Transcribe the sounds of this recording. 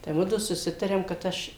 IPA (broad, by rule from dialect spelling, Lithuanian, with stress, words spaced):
tɐɪ ˈmʊdʊ sʊˈsʲɪtɐrʲeːm kɐt ˈɐʃ